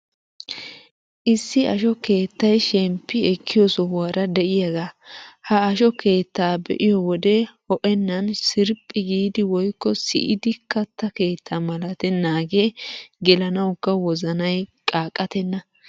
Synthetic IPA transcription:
ʔɪsːɪʔɐ̰ʃɔke̞ːt̪ːɐjʃɛmpːɪɛkʰːɪjɔsɔwaːɾɐd̪ɛʔɪjɐɡaːhɐːʃɔke̞ːt̪ːaːbɛ̰ʔɪjɔwɔd̪ɛhɔʔɛnːɐnsɪɾpʼːɪɡiːd̪ɪwɔjkːɔsɪ̰ʔɪd̪ɪkːɐt̪ːɐke̞ːt̪ʰːamɐlɐt̪ɛnːaːɡeɡɛlɐnɐwʊkːɐwɔzɐnɐjkʼaːkʼːɐt̪ɛnːɐ

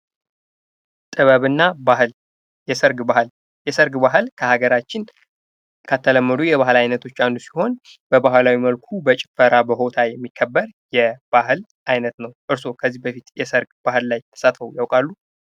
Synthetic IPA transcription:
t̪ʼɨβəβɨnːabahɨl | jɛsəɾɡbahl | jɛsəɾɡbaɦɨlkʰəhaɡəɾat͡ʃːɪn | kʰat̪ʰːələmːəd̪ujɛβahɨlajnət̪ʰo̞t͡ʃːand̪usiho̞n | b̥əbahlawiməlkʰubət͡ʃʼɪ̥fəɾabəɦo̞t̪ʰajɛmːikʰːəbːəɾjɛb̥ahɨl | ʔajnət̪nəwʔɨɾso̞kʰəzːihbəfit̪jɛsəɾɡb̥ahɨlːajt̪ʰə̥sat̪fəwjawkʼalːu

